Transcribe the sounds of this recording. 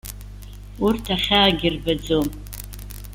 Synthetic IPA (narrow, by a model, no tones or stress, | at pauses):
urtʰaχʲaːɡʲɪrbad͡zom